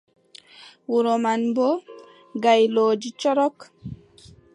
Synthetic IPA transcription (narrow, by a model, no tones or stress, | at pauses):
wuɾomanbo | ɡajloːd͡ʒit͡ʃɔɾɔk